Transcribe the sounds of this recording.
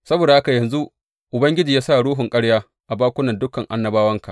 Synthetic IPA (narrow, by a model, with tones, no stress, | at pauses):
sɐ˦boː˨da˨ha˦ka˨jɐ˨nzu˦ʔ | ʔʊ˨bɐ˦ŋɡʲɪ˦d͡ʒiː˨jaː˦sa˦˨ɽuː˦ɦʊ˨ŋkʼɐ˦ɽjaː˦ | ʔa˨baː˦kʷʊ˦nɐ˨ndʊ˦kɐ˨ŋʔa˨nːɐ˨baː˦wɐ˦ŋka̰˨